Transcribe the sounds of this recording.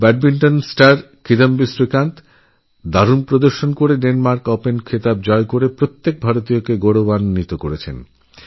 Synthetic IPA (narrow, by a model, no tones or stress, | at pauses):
bɛʈ̚binʈonsʈaɾ | kid̪ambisɾikant̪ | d̪aɾunpɾod̪oɾʃonkoɾeɖenmaɾkopenkʰet̪ab̚d͡ʑɔekoɾepɾot̪ːek̚bʱaɾot̪ijokeɡoɽobanːit̪okoɾet͡ɕʰḛn